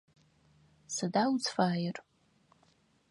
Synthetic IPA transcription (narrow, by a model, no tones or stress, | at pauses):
sadawzfaːjɪr